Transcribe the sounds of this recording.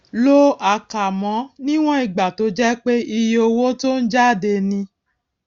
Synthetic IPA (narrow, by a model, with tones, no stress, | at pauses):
lo˦a˧˨ka˨mɔ̃˨˦nĩ˦w̃ɔ̃˦i˨ɡ͡ba˨to˨˧˦d͡ʒɛ˦k͡pe˦i˧jo˧wo˦to˦n̩˦d͡ʒa˦˨de˧nĩ˧